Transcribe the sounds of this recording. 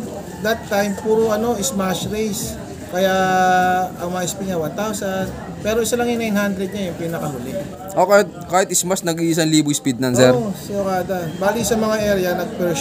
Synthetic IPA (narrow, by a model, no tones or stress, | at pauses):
d̪ɐt̪ːajmpuːɾoʔɐno̞ʔɪsmaʃɹejs | kɐja | ɐŋmɐaʔɪspiɲɐwant̪awsɐnd̪ | pɛːɾo̞ʔɪsɐlɐŋjʊnajnhand̪ɾɛd̪̚ɲajʊŋpiːnɐkɐɦʊlɛ | ʔokaɪt̪̚kaːhɪt̪ɪsmɐsnɐɡʔiʔsɐnliːbospid̪̚nɐnsɛɾsɪokaːd̪ɐbaːlisɐmɐŋaʔɛɾɐnɐɡ̚pɛɾ